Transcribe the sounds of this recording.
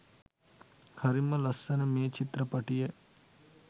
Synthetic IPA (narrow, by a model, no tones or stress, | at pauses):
hɐɾimɐlɐsːɐnɐmeːt͡ʃit̪ɾɐpɐʈije